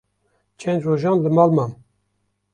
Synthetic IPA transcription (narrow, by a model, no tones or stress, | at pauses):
t͡ʃʰɛnd͡ʒ̪roːʒɑːnləmɑːlmɑm